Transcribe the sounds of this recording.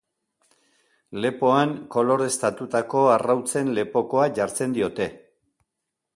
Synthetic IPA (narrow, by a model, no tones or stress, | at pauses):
le̞po̞aŋko̞lo̞ɾe̞st̪at̪ut̪ako̞arawt͡se̞nle̞po̞ko̞aʝaɾt͡se̞nd̪io̞t̪e̞